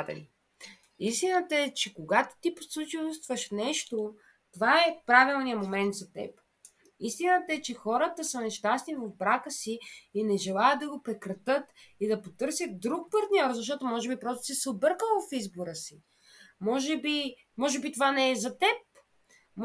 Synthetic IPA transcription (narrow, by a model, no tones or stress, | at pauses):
d̪ɛ̰n | ist̪inət̪əɛt͡ʃɛkoɡat̪o̥t̪iposlˠut͡ʃist̪vəʃnɛʃt̪o | t̪ovaɛpɾavilˠnijəmomɛnt̪zɐt̪ɛ̰p | ist̪inət̪əɛt͡ʃɛxɔɾət̪əsənɛʃt̪asnivɐvbɾakəsiːnɛʒɛlˠajəd̪̚d̪ɐɡopɾɛkɾɐt̪ɤt̪id̪ɐpot̪ɤɾsʲjət̪̚d̪ɾuk̚pɐɾt̪nʲɔɾzɐʃt̪ɔt̪ʊmɔʒɛbipɾɔst̪o̥sɛsɛobɤɾkəlˠvɐfizboɾəsi | mɔʒɛbi | mɔʒɛbit̪ovanɛɛzɐt̪ɛp̚